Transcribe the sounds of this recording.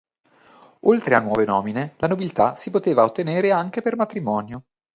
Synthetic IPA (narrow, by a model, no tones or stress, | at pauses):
olt̪ɾeanːwɔːvenɔːminelanobilt̪asipot̪eːvaot̪ːeneːɾeaŋk̟epermat̪ɾimɔːnjo